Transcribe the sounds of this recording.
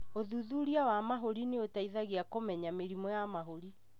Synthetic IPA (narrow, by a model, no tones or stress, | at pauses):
oðuðuɾiawamaɦoɾineotaiðaɣiakomɛɲameɾimɔjamaɦoɾi